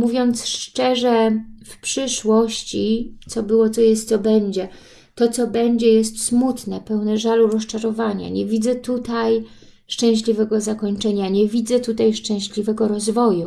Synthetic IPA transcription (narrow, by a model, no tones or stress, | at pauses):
muvʲjɔnt̪sʂt͡ʂɛʐɛfpʂɘʂwɔɕt͡ɕit̪sɔbɘwɔt̪sɔjɛst̪sɔbɛɲd͡ʑɛ | t̪ɔt̪sɔbɛɲd͡ʑɛjɛst̪smut̪nɛpɛwnɛʐaluɾɔst͡ʂaɾɔvaɲa̰ɲɛvʲid̪zɛt̪ut̪aj | ʂt͡ʂɛ̃w̃ɕlʲivɛɡɔzakɔɲt͡ʂɛɲaɲɛvʲid̪zɛt̪ut̪ajʂt͡ʂɛ̃w̃ɕlʲivɛɡɔɾɔzvɔju